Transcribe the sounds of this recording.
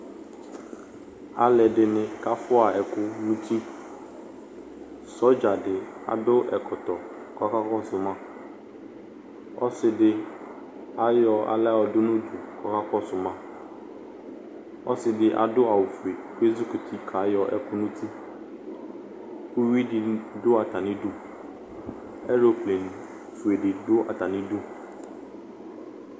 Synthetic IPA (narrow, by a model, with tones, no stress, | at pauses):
a̰˨lɛ˨ɖɪ˨nɪ̃˨ka˦fʊ˦a˨ɛ˨kʊ˦nũ˦t̪ʰi˦ | sɔ˦d͡ʒa˨ɖɪ˨a̰˨dʊ˦ʔɛ˨kʰɔ˨t̪ɔ˨ | kɔ˦ka˦kɔ˦sʊ˨mã˦ | ɔ̰˦sɪ˨ɖɪ˦ | a˨jɔ˦a̰˨lɛ˦wɔ˨dʊ˦nʊ̃˦du˨kɔ˦ka˦kɔ˦sʊ˨mã˨ | ɔ˦sɪ˨dɪ˦ʔa̰˨dʊ˦a˨wʊ˨fu˨e˨pe˦zʊ˦kʊ˨t̪ʰi˦kʰa˨˦jɔ˦ʔɛ̰˦kʊ˦nʊ̃˦t̪ʰi˦ | kʊ˦wi˦dɪ˨dʊ˦a˨t̪a˨nɪ̃˦dʊ˦ | ɛ˦ɾo˨ple˨ñ˨ | fu˨e˨ɖɪ˨dʊ˦a̰˨t̪a˨nɪ̃˦dʊ˦